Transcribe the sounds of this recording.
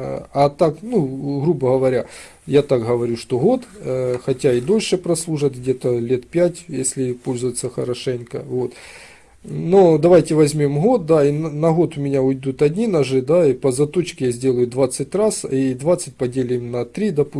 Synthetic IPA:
ɐt̪aknuɣɾubəɣɐvɐɾʲa | jat̪akɦɐʋɐɾʲuʂt̪oɦo̞t̪xɐtʲaid̪o̞lʲʂɨpɾɐslˠuʐɨt̪ɣdʲe̞t̪əlʲet̪pʲætʲjesʲlʲɪpo̞lʲzʊjɪt̪səxɐ̰ɾɐʂɛnʲkə̰vo̞t̪ | nod̪ɐvajtʲɪvɐzʲmʲo̞mɦo̞t̪̚d̪ainnɐɣo̞t̪ʊmʲɪnʲaʊjd̪ut̪ɐdʲnʲinɐʐɨd̪aipɐzɐt̪o̞t͡ɕkʲɪjazʲdʲelˠəjʊd̪vat̪sɨtʲrasid̪vat̪sːɨt̚ʲpɐdʲelʲɪɪmnɐt̪ɾʲid̪ɐpu

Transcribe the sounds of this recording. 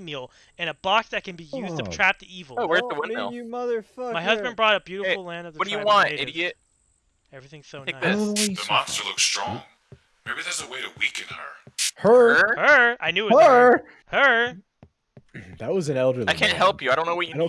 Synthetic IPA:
milˠ | ɨ̃nəbɑksðɨt̚kʰɨ̃nbijʉztʰɨɹ̥æp̚tɨivl̩ˠowɪɹtðəwɪ̃nɪlˠmʌðə˞fʌmaɪɦʌzbɨ̃nbɹɔɾʌb̥jʉɾəfl̩ˠlæ̃ndʌvðʌd̥ɨjɨwɑ̃nɪdɨjɪt | ɛvɹiθɪ̃ŋ̥soʊnaɪðæðɨmɑ̃nstə˞lʊ̰kstɹ̥ɔ̰̃ŋ | meɪbiðəzəweɪɾɨwikɨ̃nə̰˞ | hə˞hə˞aɪnjʉə | hə˞ | ðɨt̚wʌz̃nɛlˠdə˞lˠaɪkʰæ̃nt̚ɦɛlˠpjɨaɪɾõʊ̃nːoʊwʌt͡ʃɨ

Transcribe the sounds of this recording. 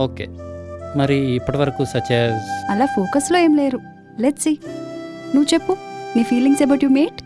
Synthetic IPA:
oːkeːmɐɾiːpːɐʈɐʋɐɾɐkusɐt͡ʃeːzɐlaːpʰoːkɐslo̞ːeːmleːɾu | leʈsi | nuʋut͡ʃepːuniːfiːliŋsebɐʈjuːmeːʈ

